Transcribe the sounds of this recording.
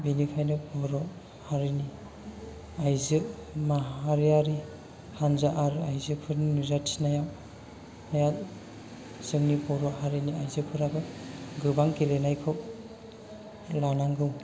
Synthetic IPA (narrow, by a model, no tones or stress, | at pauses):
binikʰajnɯpɔɾɔ | haɾini | ajzɯmaɦaɾijaɾi | hanzaʔaɾajzɯpʰɯɾnnuzatʰi̥snajaw | ajat̚ | sɯŋnipɔɾɔhaɾiniajzɯpʰɯɾabɯɡɯbaŋkelenajkʰɯw̚ | lanaŋɡɯw